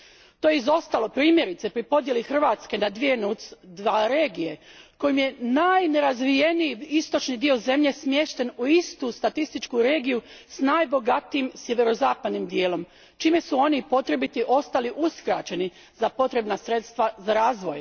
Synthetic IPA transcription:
t̪o̞jeizo̞st̪alo̞pɾiːmje̞ɾit̪se̞pɾipo̞d̪je̞lixr̩ʋaːt̪ske̞nad̪ʋie̞nut̪sd̪ʋaɾeːɡije̞ko̞jimje̞najne̞ɾazʋije̞nijiist̪o̞t͡ʃnid̪io̞ze̞mʎe̞smje̞ʃt̪e̞nuist̪ust̪at̪ist̪it͡ʃkuɾe̞ːɡijusnajbo̞ɡat̪iimsje̞ʋe̞ɾo̞zaːpad̪nimd̪je̞ːlo̞m | t͡ʃiːme̞suo̞nipo̞t̪ɾe̞bit̪iʔo̞st̪aliʔuskɾat͡ʃe̞ni | zapo̞t̪ɾe̞bnasɾe̞t̪st̪ʋazaɾaːzʋo̞j

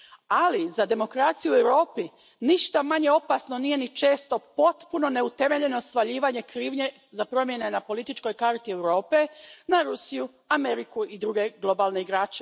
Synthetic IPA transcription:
alizad̪e̞mo̞kɾat̪sijuewɾo̞ːpi | niʃt̪amaɲe̞o̞pasno̞nije̞nit͡ʃe̞ːst̪o̞po̞t̪puno̞ne̞ut̪e̞me̞ʎe̞no̞sʋaʎiːʋaɲe̞kɾiːʋɲe̞ | zapɾo̞mje̞ne̞napo̞lit̪it͡ʃko̞jkaɾt̪iewɾo̞ːpe̞naɾusiju | ameɾikuid̪ɾuːɡe̞ɡlˠo̞baːlne̞iɡɾaːt͡ʃe

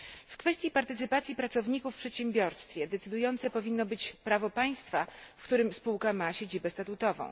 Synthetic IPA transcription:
fkfɛst̪ʲjipaɾt̪ɘt̪sɘpat̪sʲipɾat̪sɔvɲikufːpʂɛt̪ɕɛmbʲjɔɾst̪fʲjɛd̪ɛt̪sɘd̪ujɔnt̪sɛpɔvʲinːɔbɘt͡ɕpɾavɔpaj̃st̪fafkt̪uɾɘmspuwkamaɕed͡ʑibɛst̪at̪ut̪ɔvɔ̰̃w̃

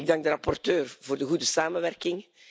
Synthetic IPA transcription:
ɡ̚dɑŋɡ̚dəɾɑpɔrtøːrvoːrdəɣudəsaːmənʋɛrkɪŋ

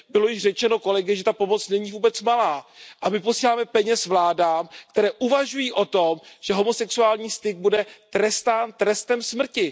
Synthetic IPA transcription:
bɪlo̞jɪʃr̝ɛt͡ʃɛno̞ko̞lɛɡɪʒɛt̪apo̞mo̞t͡snɛɲivuːbɛt͡smalaːʔamɪpo̞siːlaːmɛpɛɲɛsvlaːdaːmkt̪ɛɾɛːʔuvaʒujiːʔo̞t̪o̞mʒ̥ɛɦo̞mo̞sɛksuaːlɲiːst̪ɪɡ̚budɛt̪ɾɛst̪aːnt̪ɾɛst̪ɛmsmr̩cɪ

